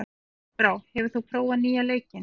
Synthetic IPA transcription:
pɾaːwhɛvʏɾ̥θupʰɾoːwaniːjaleːjcɪn

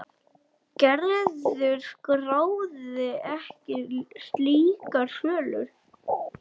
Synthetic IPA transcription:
cɛɾðʏɾkraːwðɪɛhcɪst̪liːkaɾsœːlʏɾ̥

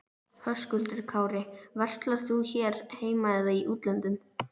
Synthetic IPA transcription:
hœskʏlt̪ɪɾ̥kʰaːwɾɪvar̥t̪laɾ̥θuçɛɾheːjmajðaiʔuːt̪lant̪ʏm

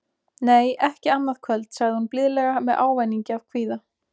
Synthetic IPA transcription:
neːjɛhcɪanːað̥kʰvœlt̪saɣðɪhunplɪðlɛɣamɛðʔa̰ːwvajniɲcɪavkʰviːða

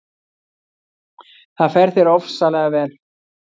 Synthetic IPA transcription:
θaðfɛɾ̥θɛɾɔfsalɛːɣavɛːl

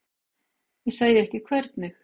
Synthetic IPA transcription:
jɛsaðjɪɛhcɪkʰvɛɾt̪nɪx

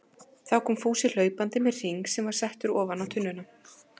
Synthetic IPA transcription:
θawkʰɔːmfuːsɪl̥œːɥpant̪ɪmɛðr̥iŋksɛmvaɾ̥sɛht̪ʏɾɔːvanawt̪ʰʏnːʏna

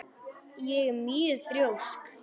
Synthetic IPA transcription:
jɛɣɛmœːʏθɾjowsk

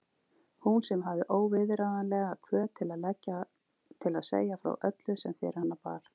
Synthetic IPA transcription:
hunsɛmɦavðɪʔoːwvɪðɾaːðanlɛɣakʰvœːt̪ʰɪlaðlɛcːa | t̪ʰɪlaðsḛːjafɾa̰wʔœt̪lʏsɛmfɪ̰ːɾɪhanːapa̰ɾ̥

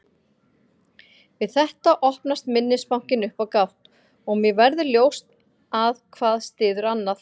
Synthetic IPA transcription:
vɪðθɛht̪aʔɔhpnast̪mɪnːɪspawŋ̥cɪnʏhpawkawht̪ | ɔɣmjɛvɛɾðʏljoːwst̪ | aðkʰvaːðst̪ɪːðʏɾanːað

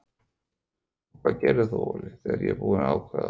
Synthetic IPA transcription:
kʰvaðcɛːɾɪθoɔlɪθɛɣaɾjɛ̰puːðɪnaːwkʰvɛða

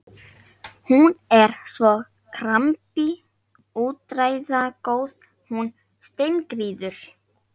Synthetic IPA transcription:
hunɛɾ̥svɔ | kʰɾampi | uːt̪ɾaːjðakoːwð | hun | st̪ejnkɾiːðʏɾ̥

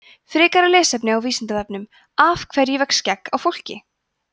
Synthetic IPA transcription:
fɾɪːkaɾalɛːsɛpnɪawviːsɪnt̪avɛpnʏm | afkʰvɛɾjɛvɛkscɛkːawfowl̥cɪ̰

